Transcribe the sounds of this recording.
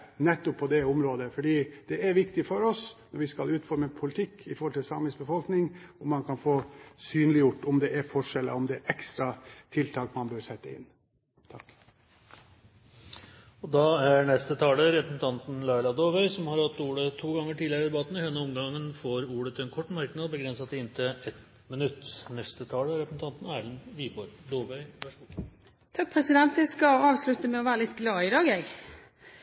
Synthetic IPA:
nɛt̪ːɔpʰːɔd̪ɛʊmɾoːd̪əfɔɖiːd̪̥ɛæɾʋɪkt̪ɪfɔɾɔsnɔɾʋɪskɑlʉːt̪fɔɾməpʰʊlɪt̪ʰɪkːɪfɔɾhɔlt̪ɪlsɑ̰məsbəfɔlknɪŋɔmːɑnkʰɑnfoːsyːnlɪjʊʈːɔmd̪ɛæɾfɔʂɛlːə̰ɔmd̪ɛɾʔɛkst̪ɾɑt̪ʰɪlt̪ʰɑːkmɑnbøɾsɛt̪ːəɪ̰nː | t̪ʰɑk | ɔd̪ɑːæɾɳɛst̪ət̪ʰɑːləɾɛpɾəsn̩t̪ʰɑnt̪n̩lɑɪlɑd̪oːʋœʏsɔmhɑɾhɑt̪ːuːɽət̪ʰuːɡɑŋːəʈʰiːd̪lɪəɾɪd̪ɛbɑt̪ənɪhɛnːəɔmɡɑŋːənfoːɾuːɽət̪ʰɛnkʰɔʈːmɑɾknɑd̪̚bəɡɾɛnsɑt̪ɪɪnt̪ʰəɛt̪ | mɪnʉt̪ːnɛst̪ət̪ʰɑːləæɾɛpɾəsn̩t̪ɑnt̪n̩æːɭənʋiːbɔɾd̪oːʋœʏʋæʂ | t̪ʰɑk̚pʰɾɛsɪd̪ɛnt̪ʋɛskɑɑːʋslʉt̪əmɛɔʋæːɾəlɪt̪ɡlɑːɪd̪ɑːɡɛɡ

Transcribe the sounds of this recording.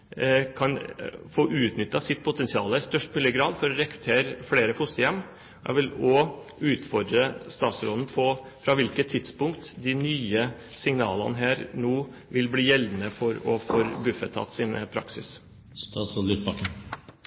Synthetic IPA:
kʰɑnfoːʔʉːt̪nʏt̪ːɑsɪt̪̚ːpʰʊt̪ʰɛnsɪɑːləst̪œʂʈmʉːlɪəɡɾɑːd̪fɔɾɔɾɛkɾʉ̥t̪ʰeːɾəfɽeːɾəfʊst̪əjɛmː | ɔjæ̰ʋɪlɔ | ʉːt̪fɔd̪ɾəst̪ɑːt̪sɾoːlnpʰɔ | fɾɑʋɪlkət̪ʰːɪd̪spʊŋkt̪d̪ɪnyːə | sɪŋnɑːlɑ̰nəɦæːɾnoː | ʋɪlbliːjɛldnəfɔɾɔfɔɾbʉfət̪ʰːɑ̰t̪ːsinpʰɾɑ̰ksɪ̰s | t̪ɑt̪sɔlyt̪bɑkə

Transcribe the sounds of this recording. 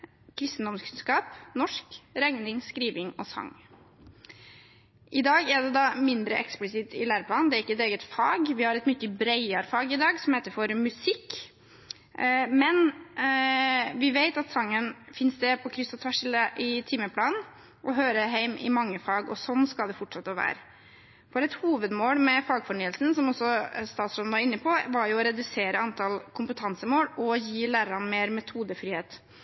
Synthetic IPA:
kʰɾɪst̪n̩d̪ɔmskʰʉnskɑːpnɔʂkɾɛŋnɪŋskɾiːʋɪŋɔ̰sɑ̰ŋ | ʔɪd̪ɑːɡæɖ̪ɛd̪ɑmɪnd̪ɾəʔɛksplɪsɪt̪ɪlæːɾəpʰlɑːnd̪ɛæɾɪkːəɛt̪eːɡət̪fɑːɡʋɪhɑɾɛt̪mʏtːəbɾæɪɑɾfɑːɡɪd̪ɑːɡsɔmheɪt̪əɾfɔɾmʉsɪkː | mɛn | ʋɪʋeɪt̪ɑt̪sɑŋːənfɪnsd̪ɛpʰɔkʰɾʏst̪ɑt̪ʰʋæʂɪləʔɪt̪ʰɪːməpʰlɑːnn | ʔɔɦøːɾəɦæɪmʔɪ̰mɑŋːəfɑːɡɔ̰sɔnːskɑld̪ɛfɔʈʂɑt̪ːəʋæ̰ːɾə | fɔɾɛt̪huːʋəd̪moːlmɛfɑːɡfɔɳyːəlsn̩sɔmɔsɔst̪ɑːt̪sɾɔmnʋɑɾɪnːəpʰɔʋɑɾjʊɔɾɛd̪ʉseːɾəɑnt̪ʰɑlkʰʊmpət̪ʰɑnsəmoːlɔjiːlæːɾəɾɑnmeːɾmɛt̪ʰuːd̪əfɾiːheːt̪

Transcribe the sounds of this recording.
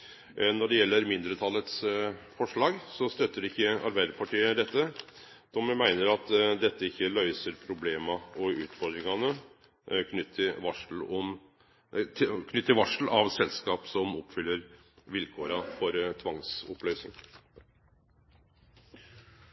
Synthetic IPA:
nɔɖɛjɛlːəɾmɪnd̪ɾət̪ʰɑlːət̪sfɔʂɭɑːɡsɔst̪œt̪ːəɖɪçːəɑ̰ɾbæɪd̪əɾpʰɑʈiːəd̪ɛt̪ːə | d̪̥ɔməmæɪnəɾɑt̪d̪ɛt̪ːəɪçːəlœʏsəɾpʰɾʊbleːmɑɔʉːt̪fɔɾd̪ɾɪŋɑnə | kʰnʏt̪ʰːəʋɑʂl̩ɔm | kʰnʏt̪ːəɾʋɑʂl̩ɑʋsɛlskɑːpsɔmɔpːfʏlːəɾ | ʋɪlkʰoːɾɑfɔɾt̪ʰʋɑŋsɔplœʏsnɪ̰ŋ

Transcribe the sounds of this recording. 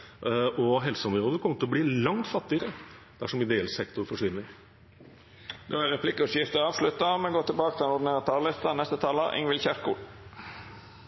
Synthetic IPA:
ɔɦɛlsəɔmɾoːd̪əkʰɔmːət̪ɪɔbliːlɑŋt̪fɑt̪ːɪəɾə | d̪̥æʂɔmɪd̪eːɛlsɛkt̪ʊɾfɔʂʋɪnːəɾ | d̪ɛæɾɛpʰlɪkːʉsjɪft̪əɑːʋʂlʉt̪ːɑmɛnɡoːt̪ʰɪlbɑːkət̪ɪlɛnɔɾd̪neːʁɑt̪ʰɑːllɪst̪ɑnɛst̪ət̪ʰɑːləʔɪ̰ŋʋɪlçæʂkṵːl

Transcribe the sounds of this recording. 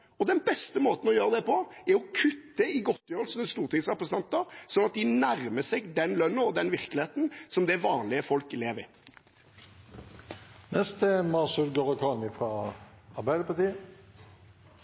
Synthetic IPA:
ɔd̪ɛnbɛst̪əmoːt̪n̩ɔjøːʁəd̪ɛpʰɔɛɾɔkʰʉt̪ːəɪɡɔt̪ːjøːʁəl̩snəst̪uːʁt̪ɪŋsʁɛpʁəsənʰɑnt̪əɾsɔnɑt̪̚d̪ɪnæɾməsɛɡd̪ɛnlœnːəɔd̪ɛnʋɪʁkəlɪheːt̪n̩sɔmd̪ɛʋɑːnlɪəfɔlkɪleːʋɪ̰ | nɛst̪ʰemɑsʉlɡoːʁəkʰɑnɪfʁɑːɑʁbæɪd̪əpɑʁt̪iː

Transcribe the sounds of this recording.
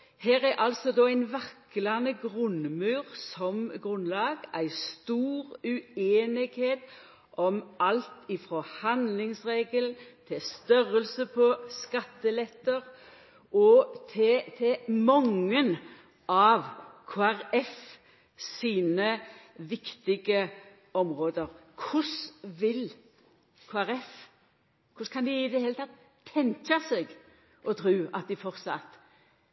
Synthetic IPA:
hæːɾæɾʔɑlsɔd̪ɔːæɪnʋɑklɑnəɡʁʉnmʉːʁsɔmɡʁʉnlɑːɡæɪst̪uːʁʉeːnɪɡ̥heːt̪ | ʔɔmʔɑlt̪ɪfɾɔhɑnd̪lɪŋsʁeːɡəlt̪ʰɪst̪œɾəlsəpʰɔskɑt̪ːəlɛt̪ːəʁ | ʔɔt̪ʰɪt̪ʰɪmɔŋːən | ɑʋkʰoːæʁɛf | siːnəʋɪkt̪ɪɡə | ɔmʁoːd̪əɾkʰʊsʋɪl | kʰoːæʁɛf | kʰʊskʰɑnd̪ɪɪd̪ɛheːlət̪ɑt̪ʰː | ɛŋkɑsɛɡ | ʔɔt̪ʰɾʉːɑt̪̚d̪ɪfɔʁt̪sɑ̰t̪

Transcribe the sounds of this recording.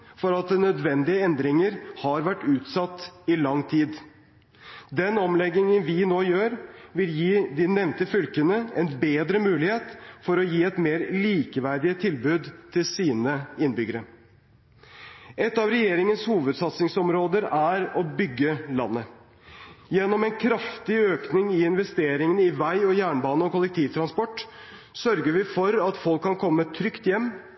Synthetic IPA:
fɔɾɑt̪̚d̪ɛnœd̪ʋɛnd̪ɪəɛnd̪ɾɪŋəɾhɑɾʋæʈːʉːt̪sɑt̪ːɪlɑŋt̪ʰiːd̪ | d̪ɛnɔmlɛɡɪŋənʋɪnoːjøːɾʋɪljiːd̪ɪnɛʋnt̪əfʏlkənəɛnbeːd̪ɾəmʉːlɪheːt̪fɔɾɔjiːɛt̪meːɾliːkəʋæɾɖ̪ɪət̪ʰɪlbʉːd̪t̪ʰɪlsiːnəɪnbʏɡəɾə | ɛt̪ːɑʋɾɛjeːɾɪŋənshuːʋəd̪sɑt̪snɪŋsɔmɾoːd̪əɾæɾɔbʏɡːəlɑ̰nːə | jɛnːɔmɛnkʰɾɑft̪ɪøːknɪŋɪɪnʋɛst̪eːɾɪŋənəɪʋæɪɔjæːɳbɑːnəɔkʊlɛk̚t̪ʰiːʋt̪ʰɾɑnspɔʈː | sœɾɡəʋɪfɔɾɑt̪fɔlkʰːɑnkʰɔmːət̪ʰɾʏkt̪jɛmː

